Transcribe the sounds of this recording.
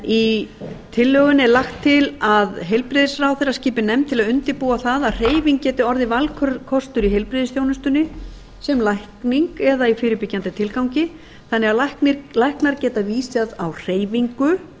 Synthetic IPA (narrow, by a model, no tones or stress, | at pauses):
it̪ʰɪlːœːɣʏnɛɾlaxt̪ʰːɪlaðɦejlpɾɪðɪsraːwθeɾrasciːpɪnɛmt̪ʰɪlaðʏnt̪ɪpuːaθaðaðr̥eːjviŋk̚cɛːt̪ɪɔɾðɪvalkʰœkʰɔst̪ʏɾiɦejlpɾɪðɪsθjownʏst̪ʏnːɪ | sɛmlajhkniŋkɛðaifɪːɾʏpɪcːant̪ɪt̪ʰɪlkawɲcɪ | θanːɛɣalahknɪɾlajhknaɾcɛːt̪aviːsaðawr̥eːjviŋkʏ